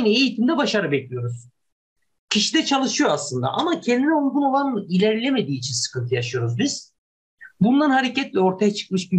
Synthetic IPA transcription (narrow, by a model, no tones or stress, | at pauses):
nɯejit̪ʰimd̪ɛbaʃaɾɯbɛclʲijo̞ɾuz̥ | cʰiʃid̪ɛt͡ʃʰalˠɯʃɯjo̞aslˠɯnd̪a̰ʔamacʰɛnd̪inɛolˠɡ̪uno̞lˠanilʲæɾlʲeme̞d̪iːt͡ʃʰinsɯ̥kɯnt̪ʰɯjaʃɯjo̞ɾuzbiz̥ | bunlˠaɾnhaɾecɛt̪lʲɛo̞ɾt̪ʰajat͡ʃʰɯ̥k̚mɯʃbi